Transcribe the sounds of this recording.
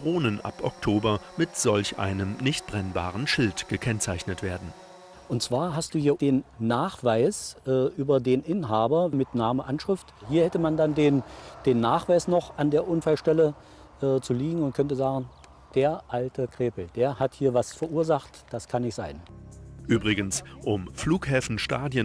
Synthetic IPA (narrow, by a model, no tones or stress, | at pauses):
dʁoːnənʔa̰pʔɔ̰k̚tʰoːbɐmɪtz̥ɔlçʔa̰ɪnəmnɪçt̚b̥ʁɛnba̰ːʁənʃɪltɡ̥əkʰɛnt͡saɪçnətv̥eːɐdn̩ | ʔʊntt͡sv̥aːɐɦast̚d̥uːhiːɐd̥eːnːaːχv̥aɪsʔɛːʔyːbɐdeːnʔɪnɦaːbɐmɪtnaːməʔanʃʁ̥ɪfthiːɐhɛtəmandandeːnd̥eːnːaːχv̥aɪsnɔχʔandeːɐʔʊnfalʃtɛlə | ʔɛːt͡suliːɡŋ̩ʊnt̚kʰœntəzaːɡŋ̩ | d̥eːɐʔaltəkʁ̥eːpl̩d̥eːɐhathiːɐvasfɛɐʔuːɐzaχtd̥askʰanːɪçtz̥aɪnʔyːbʁɪɡənsʔʊmfluːkhɛːfn̩ʃtaːdjən